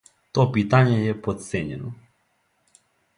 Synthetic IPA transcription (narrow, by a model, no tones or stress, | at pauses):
t̪ɔpit̪aɲɛjɛpot̪t̪sɛɲɛno